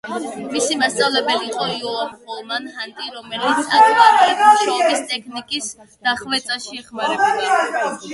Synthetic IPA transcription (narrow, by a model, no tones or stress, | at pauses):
misimast̪sʼavlɛbɛliːqʼɔiɔaɾχɔlˠmanhant̪ʼiɾɔmɛlit̪sʰak̪ʰmat̪ik̪ʰʃɔbist̪ʼɛkʰnikʼisd̪̥aχvɛt̪sʼaʃiɛχmaɾɛba